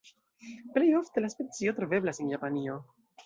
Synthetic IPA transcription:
ple̞jo̞fte̞laspe̞t͡sio̞tɾo̞ve̞blasenjapanio̞

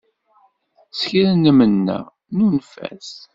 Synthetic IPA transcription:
sçɾænːəmənːæ̰ | nunfæ̰s

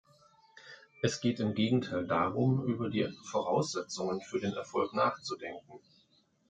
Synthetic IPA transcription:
ʔɛsɡ̥eːtɪmɡeːɡŋ̩tʰaɪldaːʁʊmʔyːbɐdiːfoʁ̞aʊsz̥ɛt͡sʊŋənfyːɐdeːnɛ̰ɐfɔlknaːχt͡sudɛŋkŋ̩

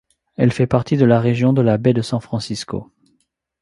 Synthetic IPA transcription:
ɛlfɛpaʁt̪ʰid̪əlaʁeʒjɔ̃d̪əlabɛd̪əsɑ̃fχɑ̃sisko̰

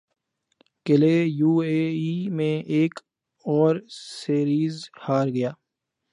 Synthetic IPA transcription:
kɪlejuːeːimẽʔeːk | ɔːɾseːɾiːzhaːɾɡɐjaː

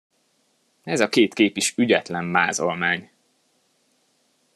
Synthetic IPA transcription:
ɛzɒkeːt̪keːpiʃyɟɛt̪lɛmːaːzo̞lmaːɲ

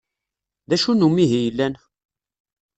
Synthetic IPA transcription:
ðæʃunumiɦijəlːæn

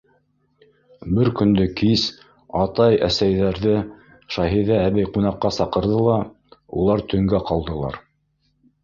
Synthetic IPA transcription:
bɘɾkɵ̆nd̪ɵkis | ɑt̪ɑjæ̰sæjðæɾðɘ | ʃɑɦiðæːβæjqunɑqːɑsɑqɤ̆ɾðɤlˠɑ | ṵlˠɑɾt̪ʰɵ̆ŋɡæqɑlˠd̪ɤ̆lˠɑ̰ɾ

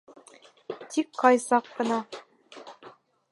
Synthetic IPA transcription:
t̪ʲikʰːɑjzɑkːɤ̆nɑ

